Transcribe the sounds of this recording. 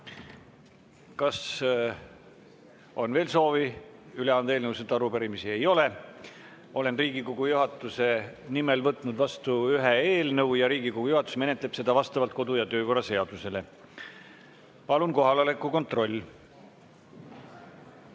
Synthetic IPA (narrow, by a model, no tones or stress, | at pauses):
kɑs | o̞nve̞ːlso̞ːviyleɑnd̪eːlnəwset̪ːɑɾupeɾimisie̞jo̞le̞ | o̞le̞nriːɡikoɡ̥ujuɦɑt̪ːˑuse̞nimelvɤt̪ːˑnud̪vɑst̪uyɦeeːlnɤuwjɑɾiːɡikoɡ̥ujuhɑt̪ːˑu̥sme̞ne̞t̪leb̥se̞d̪ɑvɑst̪ɑvɑlt̪̚ko̞d̪̥ujɑt̪øːko̞rːɑse̞ɑd̪̥use̞le̞ | pɑlunko̞ɦɑlɑlekːˑuko̞nt̪ro̞lʲː